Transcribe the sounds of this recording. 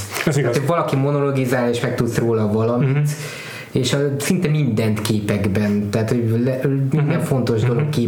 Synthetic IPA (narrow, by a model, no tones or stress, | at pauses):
ɛat̪ʰovɒlɒkimo̞no̞lo̞ɡizaːleːʃmɛk̚t̪ut̪sroːlɒvɒlɒmit̪ | eːʃɒsint̪ɛmind̪ɛnt̪keːpɛɡbɛnt̪ɦːt̪ho̞ɟlɛmiiɛɱfo̞nt̪o̞ʒd̪o̞lo̞kːeː